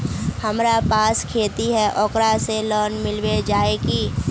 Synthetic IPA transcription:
hɐmɾapaːskʰeːt̪iɦɛʔɔːkɾaselɔːnmɪlwed͡ʒaːekiː

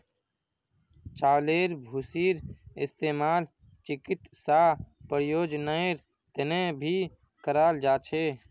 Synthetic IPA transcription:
t͡ʃaːleːɾbʱuːsiːɾɪst̪eːmaːl | t͡ʃɪkɪt̪saːpəɾjoːd͡ʒnaeɾ | t̪ənẽbʱiː | kəɾaːld͡ʒaːt͡ʃʰeː

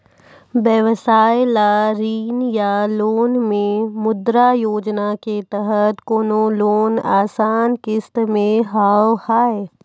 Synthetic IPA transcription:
ʋjəʋsaːjlaɾiːnjaloːnmẽmʊd̪ɾajoːd͡ʒnaket̪əɦət̪koːnoloːnaːsaːnkɪst̪mẽɦaːwhaːe

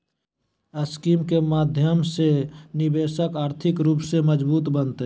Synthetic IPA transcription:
əskiːmkemaːd̪ʱjəmsenɪbeːsəkaːɾt̪ʰɪkɾuːpseməd͡ʒbuːt̪bənt̪e

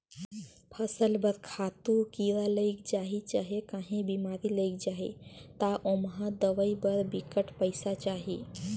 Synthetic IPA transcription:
pʰəsəlbəɾkʰaːt̪ũkiːɾaləikd͡ʒaːɦit͡ʃaːɦekãːɦẽbimaːɾiləik̚d͡ʒaːɦḛt̪aʔomɦãd̪əʋəibəɾbikəʈpəɪsat͡ʃaːɦi

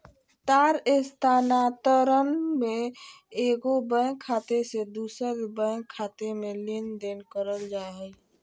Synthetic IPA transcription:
t̪aːɾɪst̪ʰaːnaːt̪əɾənmẽ | eːɡobə̃kʰaːt̪esed̪uːsəɾbə̃kʰaːt̪emẽlɪnd̪eːnkəɾəld͡ʒaːeɦɛi

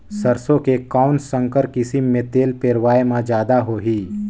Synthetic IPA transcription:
səɾsõkekaːnsə̃ŋkəɾkɪsɪmːẽt̪eːlpeːɾʋaːemãd͡ʒjaːd̪aɦoːɦiː

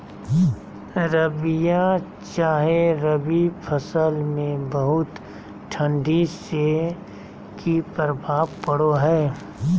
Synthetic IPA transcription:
ɾəbijã | t͡ʃaːɦeɾəbipʰəsəlmẽbəɦʊt̪ | ʈʰə̃ɳɖise | kipəɾbʱaːʋpəɽoɦɛː

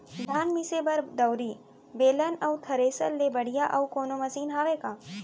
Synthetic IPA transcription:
d̪ʱaːnmisebɐɾd̪ɐwɾiː | beːlənɐwt̪ʰɐɾeːsə̰lːebɐɽ̤ijaʔɐwkoːnomɐsiːnɦaːʋeːkaː

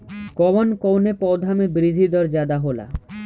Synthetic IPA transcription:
kɔwɔnkɔwnepɔwd̪ʱamebɾid̪ʱid̪ɔɾd͡ʑad̪aɦola̰

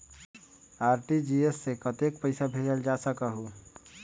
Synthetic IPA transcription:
aːɾʈid͡ʒiesːekət̪ek̚pəɪsabʱed͡ʒəld͡ʒasəkaɦo

